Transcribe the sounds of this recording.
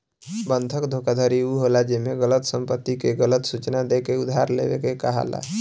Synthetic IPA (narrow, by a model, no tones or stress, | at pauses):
bənt̪ʰəkd̪ʱokad̪ʱəɾiuɦolad͡ʒemeɡələt̪səmpət̪ːikeɡələt̪sut͡ʃnad̪ekeud̪ʱɦaɾlḛbḛkekəɦa̰la̰